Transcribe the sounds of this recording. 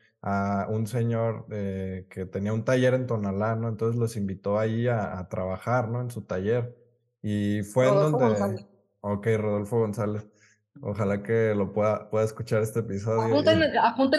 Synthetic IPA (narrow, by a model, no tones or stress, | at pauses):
aunse̞ɲo̞ɾeke̞t̪eniaunt̪aʝe̞ɾe̞nt̪o̞nalano̞ent̪o̞nse̞zlo̞simbit̪o̞aiaːt̪ɾʔaβaxaɾno̞e̞nsut̪aʝe̞ɾ | ifwend̪ond̪ea | oke̞jro̞ðo̞lfo̞ɣo̞nsale̞s | o̰xalake̞lo̞pweðapwe̞ðaeskut͡ʃaɾe̞st̪eeːpiso̞ðjount̪enapunt̪e